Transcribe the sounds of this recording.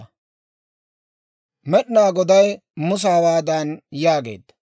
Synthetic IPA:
ɐ | mɛɗnaːɡɔd̪ɐj | mʊs̬aːwaːd̪ɐnjaːɡe̞̰ːd̪ːɐ̥

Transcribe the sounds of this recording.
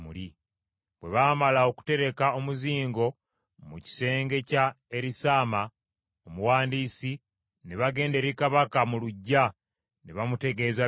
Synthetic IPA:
muli | βwe̞̰βaːmalao̞ku̥te̞ɾe̞kao̞muziːŋɡo̞ | muci̥se̞ːŋɡe̞ca | eɾisaːma | omuwaːndiːsi | neβaɡe̞ːnde̞ɾekaβakamuluɟːa | neβamute̞ɡe̞ːza

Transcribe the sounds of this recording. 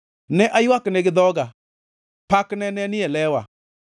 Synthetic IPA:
nɛʔajiwaknɛɡɪðɔɡa | paknɛnɛnɪɛlɛwa

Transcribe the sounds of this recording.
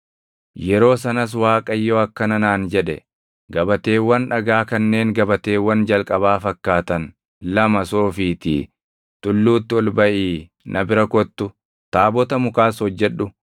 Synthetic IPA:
jɛɾo̞ːsɐnɐs̬waːkʼɐjːoːɐkːɐnɐnaːnd͡ʒɛᶑɛ̰ | ɡɐbɐt̪e̞ːwːɐnᶑɐɡaːkɐnːe̞ːŋɡɐbɐt̪e̞ːwːɐnd͡ʒɐlkʼɐβaːfɐkːaːt̪ɐn | lɐmɐsoːfiːt̪ḭ | t̪ʼʊlːuːt̪ːɪɔlbɐʔiː | nʔɐbɪɾɐkɔt̪ːʊ | t̪aːbɔt̪ɐmʊkaːshɔd͡ʒːɛᶑːʊ

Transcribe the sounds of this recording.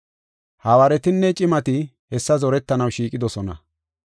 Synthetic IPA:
hɐwɐɾɛt̪ɪnːɛt͡ʃʼɪmɐt̪ɪ | hɛsːɐzɔɾɛt̪ːɐnɐwʃiːkʼɪd̪ɔsɔnɐ̰

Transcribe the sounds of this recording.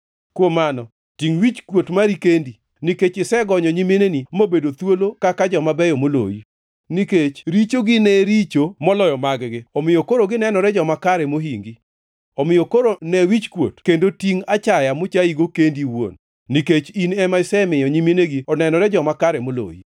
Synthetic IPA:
kwomanɔ | tiŋwit͡ʃkwotmaɾikendi | niket͡ʃɪsɛɡɔɲɔɲimenenimobedot̪wolokakad͡ʒɔmabɛjɔmolo̰jḭ | niket͡ʃɾit͡ʃoɡɪnɛɾit͡ʃomɔlɔjɔmaɡɡɪɔmɪjokoɾoɡɪnɛnɔɾɛd͡ʒɔmakaɾɛmoɦiŋɡi | ɔmɪjokoɾonɛwit͡ʃkwo̰tkendotiŋat͡ʃajamot͡ʃaiɡokendiwo̰nː | iket͡ʃinɛmaɪsɛmɪjɔɲimeneɡiɔnɛnɔɾɛd͡ʒɔmakaɾɛmolo̰jḭ

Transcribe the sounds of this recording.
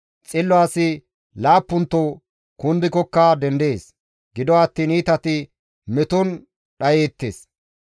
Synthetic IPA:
t͡sʼɪlːɔaːsɪ | laːpːʊnt̪ːɔ | kʊnd̪ɪkɔkːad̪ɛnd̪e̞ːs | ɡɪd̪ɔɐt̪ːiːniːt̪ɐt̪ɪ | mɛt̪ɔn | ɗɐjeːt̪ːḛːs

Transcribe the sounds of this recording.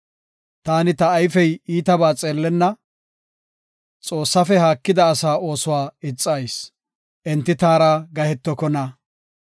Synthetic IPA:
t̪aːnɪt̪ɐːjfɛjiːt̪ɐbaːt͡sʼeːlːɛnːɐ | t͡sʼo̞ːsːɐfɛhaːkːɪd̪ɐːsaːo̞ːsʊwaːɪt͡sʼːɐjs | ʔɛnt̪ːɪt̪aːɾɐɡɐhɛt̪ːɔkɔnɐ

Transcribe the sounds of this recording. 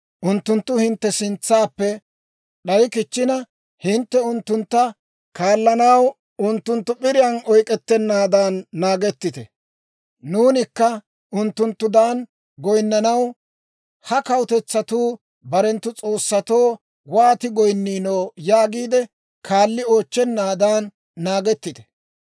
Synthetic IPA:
ʔʊnt̪ːʊnt̪ːʊhɪnt̪ːɛsɪnt͡sːaːpːɛ | ɗɐjkɪt͡ʃːɪnɐ | hɪnt̪ːɛʊnt̪ːʊnt̪ːɐ | kaːlːɐnɐw | ʊnt̪ːʊnt̪ːʊpɪɾɪjɐnɔjkʼɛt̪ːɛnːaːd̪ɐnːaːɡɛt̪ːɪt̪ɛ | nuːnɪkːɐ | ʔʊnt̪ːʊnt̪ːʊd̪aːn | ɡɔjnːɐnɐw | hɐkɐwt̪ɛt͡sːɐt̪uː | bɐɾɛnt̪ːʊt͡sʼo̞ːsːɐt̪o̞ː | waːt̪ɪɡɔjnːiːnoːjaːɡiːd̪ɛ | kʰaːlːɪo̞ːt͡ʃːɛnːaːd̪aːnː | aːɡɛt̪ːɪt̪ɛ̥

